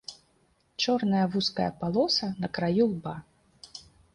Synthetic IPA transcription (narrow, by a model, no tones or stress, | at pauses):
t͡ʂɔrnɐjɐvuskɐjɐ̰palˠɔsɐnɐkɾajulˠba